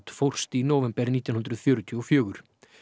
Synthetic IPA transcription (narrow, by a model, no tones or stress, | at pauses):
t̪fowr̥st̪inɔːwvɛmpɛɾniːt̪ɪnɦʏnd̪ɾʏðfjœːɾʏt̪ʰiɔfjœːɣʏɾ̥